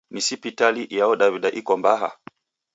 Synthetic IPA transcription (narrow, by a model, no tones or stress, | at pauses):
nisipitaliʔjaɔɗaviɗaʔikɔmbaɦa̰